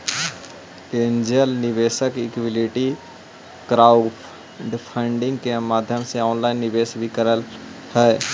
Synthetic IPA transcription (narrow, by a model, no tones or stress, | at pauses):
eːnd͡ʒəlnɪʋeːʃəkɪkʋɪliʈi | kɾaːʊp | ɖpʰə̃ɳɖɪ̃ŋɡkemaːd̪ʱjəmseɔːnlaːɪnːɪʋeːsbʱikəɾəlhɛː